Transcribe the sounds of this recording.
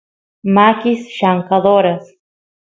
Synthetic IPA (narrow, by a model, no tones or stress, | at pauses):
makʲisʃaŋkaðoɾas